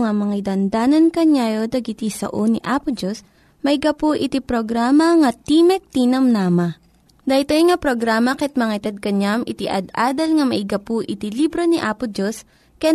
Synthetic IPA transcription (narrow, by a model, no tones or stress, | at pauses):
ŋamɐŋaɐd̪ɐnd̪aːnɐnkɐɲaːjod̪ɐɡit̪isɐ̰ʔoniʔaːpʊd͡ʒos | mɐɪɡɐpuʔɪt̪ipɾoɡɾaːmɐŋɐt̪imɛk̚t̪inɐmnamɐ | d̪ɐɪt̪ojŋɐpɾoɡɾaːmɐkɛt̪̚mɐŋɐt̪ɐd̪̚kɐɲamɪt̪iʔɐ̰d̪ʔaːd̪ɐlŋɐmɐʔɪɡɐpuʔɪt̪ilibɾoniʔaːpʊd͡ʒos | kɐja